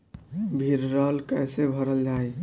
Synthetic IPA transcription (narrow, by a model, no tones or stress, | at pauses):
bʱiɾːəɦəlkɛjsebʱəɾəld͡ʒaj